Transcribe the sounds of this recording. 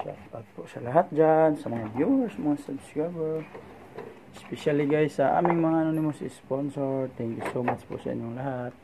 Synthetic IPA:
ja̰od̪̚pʊʔsalaɦat̪̚d͡ʒansamaŋabjuɛɾsmaŋasadskabɛɹ | ɪspɛʃaliɡajsaʔa̰mɪŋmaŋanonimosisponsɔɹt̪ʰɛŋkjusomat͡ʃpʊ̰ʔsa̰ʔḭɲʊŋlaɦat̪̚

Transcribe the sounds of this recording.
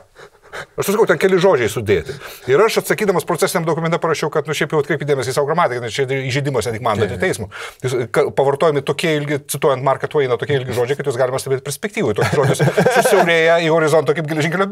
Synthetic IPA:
ɐʃsʊsɐkɐʊt̪ʲɛnkʲɛlʲɪʒoːd͡ʒʲɛɪsʊd̪ʲeːt̪ʲɪɪɾɐʃɐt̪sɐkʲiːd̪ɐmɐspɾoːt͡sʲæːsʲɪnʲɛmd̪oːkʊmʲɛnt̪ʲɛpɐɾɐʃʲt͡ʃɛʊkɐt̪nʊʃʲɛɪpjɛʊɐt̪kɾʲɛɪpʲɪːd̪ʲeːmɛsʲɪsɑːʋoɡɾɐmɑːt̪ʲɪkɐɡɪnɐɪt͡ʃʲɛɪiʒʲɛd̪ʲɪmɐsnʲɛt̪ʲikmɑnd̪ɐt̪ɪt̪ʲɛɪsmʊjɪskɐpɐʋɐrt̪oːjɛmʲɪt̪oːkʲiɛɪlʲɡʲɪt͡s̪ʲɪt̪uɔjɛnt̪mɑrkɐt̪uɛɪnɐt̪oːkʲiɛɪlʲɡʲɪʒoːd͡ʒʲɛɪkɐt̪joːsɡɑːlʲɪmɐst̪ɐbʲeːt̪̚pʲɛɾʲsʲpʲɛk̚t̪ʲiːʋoɪt̪ːkʲsʒoːd͡ʒʲɪssʊsʲɛʊɾʲeːjɛioːɾʲɪzoːnt̪oːkɐɪpɡʲɛlʲɛʒɪŋkʲɛlʲo

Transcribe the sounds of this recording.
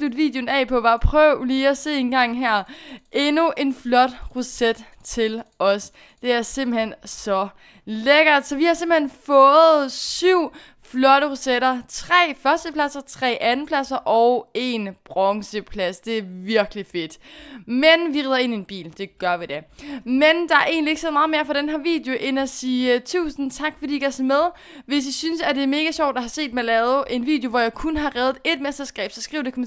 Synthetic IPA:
slud̥ʋḭːd̥jonɛ̰pʰɒ̽ʋɑ̈pʰʁœʊ̰liːæse̝̰ːe̝nɡ̥ɑ̈ŋ̰ɦæɐ̰ʔe̝nuʔe̝nflɒ̽d̥ʁused̥ | t͡sʰe̝lɒ̽s | d̥e̝æɐse̝mb̥l̩hensɒ̽ | leɡ̥ɐd̥sɒ̽ʋihɑ̈se̝mb̥lhenfɔ̽ːð̩ˠsyʊ̰ | flɒ̽ɾ̥əʁuseɾɐt͡sʰʁɛ̰ːfɶɐsd̥əpʰlæsɐt͡sʰʁɛ̰ːʔænn̩pʰlæsɐʔɒʊe̝nb̥ʁɒŋsəpʰlæsd̥e̝æɐʋiɐɡ̥life̝d̥menʋiʁiðˠɐe̝nienb̥ḭːld̥e̝ɡ̥ɶɐʋid̥emend̥ɑ̈æɐe̝̰ːnlieɡ̥seːðˠɑ̈ːð̩ˠme̝ːɐfɑɾ̥enɦæɐʋḭːd̥joʔenæsiːt͡sʰṵːsn̩t͡sʰɑ̈ɡ̥fɒd̥ḭːiɡæsɒmeðˠ | ʋe̝s̬isynsæd̥e̝æɐme̝ːɡ̥æɕɒ̰ʊd̥ɑhɑ̈se̝̰ːd̥melɛːʊð̩ˠʔe̝nʋḭːd̥jo̝ʋɒjɑ̈ɪkʰunɦɑ̈ʁɛːð̩ˠe̝d̥mesd̥ɐsɡ̥ɛ̰ːb̥sɒsɡ̥ʁḭːʊd̥ekʰɒm

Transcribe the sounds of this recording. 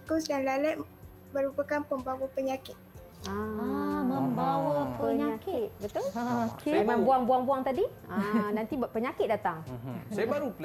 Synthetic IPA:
kusjaŋlalɛʔ̚ | bəɾupakanpəmbawəpəɲakɪt̪̚ | ãaməmbawaəɲaakɪt̪̚bət̪ʊlkeemãŋbuaŋbuaŋbuaŋt̪adi | anãnt̪ipəɲakɪt̪̚dat̪aŋsajəbaɾupl

